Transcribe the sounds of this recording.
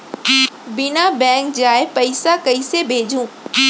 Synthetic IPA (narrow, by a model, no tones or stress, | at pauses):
bɪnabɛ̃ːŋk̚d͡ʑaːɪpɐɪsakɐisebʱeːd͡ʑʱũː